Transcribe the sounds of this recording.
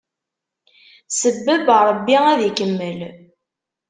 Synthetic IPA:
səbːəbəɾˤəbːiæðikəmːəl

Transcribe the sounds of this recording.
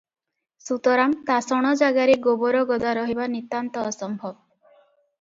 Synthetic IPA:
sut̪ɔɾamt̪asɔɽ̃ɔd͡ʒaɡaɾeɡobɔɾɔɡɔd̪aɾɔɦibanit̪ant̪ɔːsɔmbʱɔb̚

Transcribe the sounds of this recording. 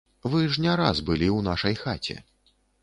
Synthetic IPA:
vɨʐnʲaɾa̰zbɨlʲiwnaʂɐjxat͡sʲɛ̰

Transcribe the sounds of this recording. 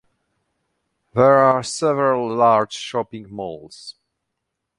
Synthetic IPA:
ðɛɹasɛvəɹəlˠːaɹd͡ʒʃɔpɪ̃ŋmolˠz̥

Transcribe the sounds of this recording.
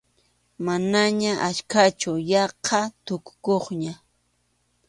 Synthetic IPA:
manaɲaʔat͡ʃkat͡ʃʊjɑqʰɑt̪ʊkʊ̥koχɲa

